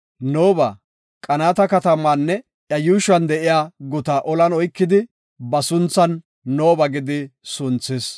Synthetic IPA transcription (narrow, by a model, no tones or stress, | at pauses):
noːbɐ̰ | kʼɐnaːt̪ɐkɐt̪ɐmːanːɛ | ʔjɐjuːʃɐnd̪ɛʔɪjaːɡʊt̪ɐʔɔlɐnɔjkːɪd̪ɪ | bɐsʊnt͡sːɐnː | oːbɐɡɪd̪ɪsʊnt͡sːɪs